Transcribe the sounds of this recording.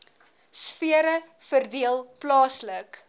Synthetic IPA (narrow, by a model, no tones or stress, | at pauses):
sfiəɾəfərdiəlˠplɑːslək